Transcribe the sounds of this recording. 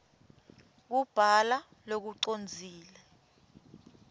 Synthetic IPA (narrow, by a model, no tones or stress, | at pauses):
k̬ub̥ʱala | lok̬uǀond͡zʱiːlɛ